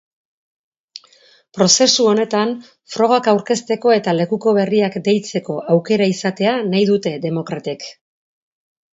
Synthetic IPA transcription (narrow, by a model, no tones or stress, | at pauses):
pɾo̞se̞suo̞ne̞t̪an | fɾo̞ɣ̞akawɾke̞st̪e̞ko̞e̞t̪ale̞kuko̞β̞e̞riakd̪e̞jt͡se̞ko̞ʔawke̞ɾaisat̪e̞anajðut̪e̞ðe̞mo̞kɾat̪ik